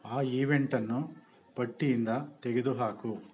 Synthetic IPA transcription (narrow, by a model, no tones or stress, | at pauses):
aːiːʋeɳʈɐnːu | pɐʈːijind̪ɐt̪ɛɡed̪uɦaːku